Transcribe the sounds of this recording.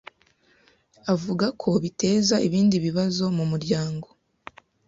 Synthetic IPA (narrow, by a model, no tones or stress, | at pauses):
avuɡakʰo̞βite̞ːzaʔiβiːndiβiβazo̞mumuɾɟaːŋɡo̞